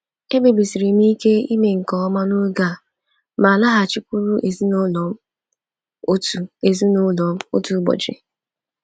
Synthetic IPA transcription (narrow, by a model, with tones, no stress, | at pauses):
e˦be˨bi˨si˨ɾi˨m˦i˦ke˦i˦me˨ŋ̩˨kɔ˨˦ɔ˦ma˦no˦ɡa˦˨ | ma˨la˦ɦa˨t͡ʃi˦kʷu˦ɾu˦ʔe˨zi˦n˦lɔ˨˦ | o˦tu˨e˨zu˦no˦lɔ˨m̩˦o̰˦tu˨˦ɡ͡bɔ̰˨d͡ʒḛ˨